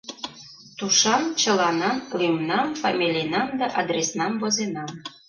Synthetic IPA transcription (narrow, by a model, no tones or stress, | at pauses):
t̪uʃɑnt͡ɕɤ̆lɑnɑnlimnɑmfɑmʲilʲijnɑmd̪ɑʔɑd̪resnɑmvozenɑm